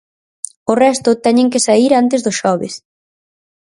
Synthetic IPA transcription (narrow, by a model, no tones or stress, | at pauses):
ʊrɛst̪ʊt̪ɛɲẽŋkɪsaiɾant̪ɪzðʊsʃɔβɪ̰s